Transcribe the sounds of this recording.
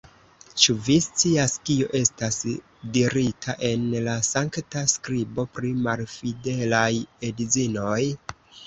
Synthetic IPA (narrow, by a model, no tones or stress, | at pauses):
t͡ʃuvist͡siaskioʔe̞stas | diɾitʰaʔe̞nlasaŋktaskɾibo̞pɾimalfide̞laje̞did͡zino̞j